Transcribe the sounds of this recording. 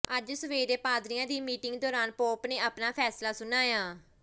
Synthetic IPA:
əd͡ʒsəʋeːɾeːpaːd̪ɾijãːd̪iːmiːʈɪŋɡ̚d̪ɔːɾaːnpoːpneːaːpnaːpʰɛːslaːsʊnaːjaː

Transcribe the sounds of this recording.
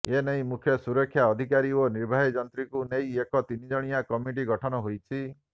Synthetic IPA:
enej̃mukʰjɔsuɾɔkʰːjaɔd̪ʱikaɾioniɾbʱaɦid͡ʒɔnt̪ɾikunejekɔt̪inid͡ʒɔɽ̃ijakɔmiʈ̬iɡɔʈʰɔnɔɦojt͡ʃʰi

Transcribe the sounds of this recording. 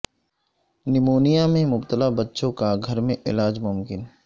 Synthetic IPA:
nɪmoːnijamẽmʊbt̪əlabɐtːʃõkaɡʱɐɾmẽʔɪ̰laːd͡ʒmʊmkɪn

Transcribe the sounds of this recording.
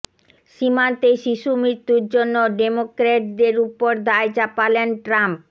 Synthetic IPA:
ʃimant̪eʃiʃumɾit̪ːuɾd͡ʑonːoɖemokɾeʈ̚d̪eɾupoɾd̪aed͡ʑapalenʈɾamp̚

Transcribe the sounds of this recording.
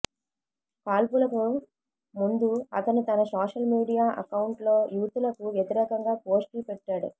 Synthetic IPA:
kaːlpulɐku | mund̪uɐt̪ɐnit̪ɐnɐsaːʂɐlmiːɽijaːʔɐ̰kɐwuɳʈlo̞ːjuːt̪ulɐkuʋjɐt̪iɾɛːkɐŋɡaːpoːsʈlupɛʈːaːɽṵ

